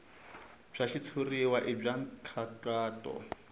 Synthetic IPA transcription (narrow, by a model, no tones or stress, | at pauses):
b͡ʐ̥aʃit͡sʰuriwaʔib͡ʐaŋ̩kʰataːtʼɔ̰